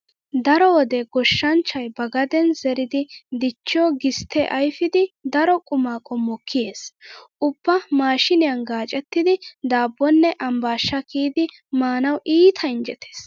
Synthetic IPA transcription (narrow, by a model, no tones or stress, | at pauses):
d̪ɐɾɔwɔd̪ɛɡɔʃːɐnt͡ʃːɐjbɐɡɐd̪ɛnzɛɾɪd̪ɪd̪ɪt͡ʃːɔːɡɪst̪ɛʔɐjfɪd̪ɪd̪ɐɾɔkʼʊmaːkʼɔmɔkʰːɪje̞ːsʔʊb̥ːɐmaːʃɪnɪjɐnɡaːt͡ʃʼɛt̪ːɪd̪ɪd̪aːbːɔnːɛʔɐmbaːʃːɐkʰiːd̪ɪ | maːnɐwʔiːt̪ʰɐɪnd͡ʒɛt̪ʰe̥ːs